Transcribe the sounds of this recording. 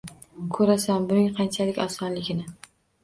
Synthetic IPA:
kʰɵɾasanbʊnɪŋqʰɑnt͡ʃʰalɪkʲasɒnlɪɡʲɪnɪ

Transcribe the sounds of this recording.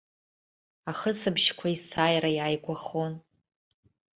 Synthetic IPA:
aχəsɨbʃkʷʰaisaːjrajaːjɡʷaχon

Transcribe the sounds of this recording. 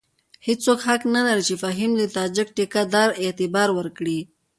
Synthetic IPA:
hesokhaknalaɾit͡ʃefaɦimd̪ət̪ɑd͡ʒɪk̚ʈekad̪ɑɾet̪ɪbɑɾwəɾkɽi

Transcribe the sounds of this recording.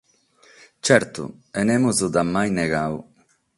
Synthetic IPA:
t͡ʃɛɾt̪ṵɛnɛmuzud̪amːajneɣaw

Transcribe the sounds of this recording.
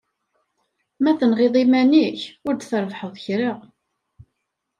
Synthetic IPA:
mæθənʁɪðˤimæniçʊɾd̪θəɾvħəðˤçɾiʁ

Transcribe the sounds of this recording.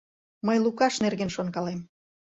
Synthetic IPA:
məjlˠukɑʃnerɣenʃonkɑlem

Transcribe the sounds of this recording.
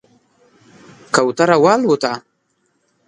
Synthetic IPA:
kawt̪aɾawaːlwut̪a

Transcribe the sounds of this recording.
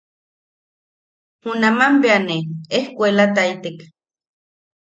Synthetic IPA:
hunamampeaneehkʷelat̪ait̪ek

